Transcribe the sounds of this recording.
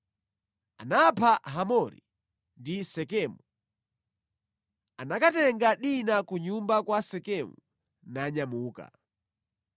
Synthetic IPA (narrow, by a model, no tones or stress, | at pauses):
a̰napʰaɦamɔɾḭ | ndisɛkɛːmu | anakatɛŋɡaɗinakuɲumbakwasɛkɛmu | naɲamuːka̰